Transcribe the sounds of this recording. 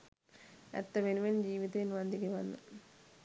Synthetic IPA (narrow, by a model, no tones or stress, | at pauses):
ɛ̰t̪ːɐʋenuʋɐnd͡ʑiːʋid̪ɐjinʋɐnd̪ʱiɡɐʋɐnːɨ̰